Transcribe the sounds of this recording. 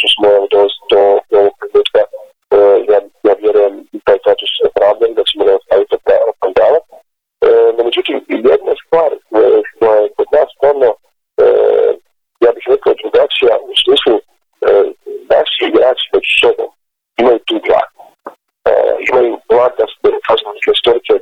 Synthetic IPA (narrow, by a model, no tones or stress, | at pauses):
t̪osmojomd̪oʋesid̪ooʋoɡ̚p̪ɾenuːt̪ka | jaːjaːʋjeɾuje̞mit̪aːjst̪at̪uspɾaːvd̪eɾid̪at͡ɕemonaost̪aʋit̪opɾapand̪aːla | nme̞d͡ʒut̪imjed̪nast̪ʋaːɾʃt̪ojajeko̞d̪naːst̪aɾno | ə̰ | jaːbixɾekaod̪ɾuɡat͡ʃijausmiːslˠu | ənaʃiːɡɾaːt͡ʃi̥me̞d͡ʑu̥so̞bo̞̰m | imajut̪uːɡɾa̰ːd̪u | o̰imajuplˠaːd̪d̪asok̪at͡ʃnat̪ileist̪o̞ɾise